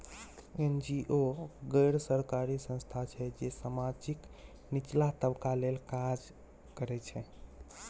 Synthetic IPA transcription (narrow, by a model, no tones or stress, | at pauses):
end͡ʒiʔoɡəjɾsəɾkaɾisə̃nst̪ʰat͡ʃʰɛd͡ʒesamad͡ʒik | nit͡ʃlaɦt̪əbkalelkad͡ʒ | kəɾɛt͡ʃʰɛ